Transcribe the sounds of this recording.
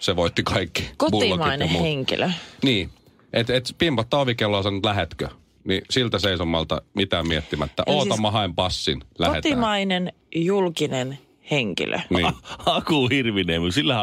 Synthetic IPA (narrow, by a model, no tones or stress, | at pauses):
seʋoit̪ːikʰɑikːikomuːt̪imɑineheŋkḭløniː | ʔet̪et̪pimpɑt̪ːɑoʋikelːoːsɑnːt̪læhet̪kø | nisilt̪æseisomːɑlt̪ɑ̰mit̪æːmmiɛt̪ːimæt̪ːæ̰ʔʔoːt̪ɑmːɑhɑimpɑsːinlæohet̪imɑinen | julkinen | heŋkḭlʔø̰niːɑkuhirʋineːmusilːæhæ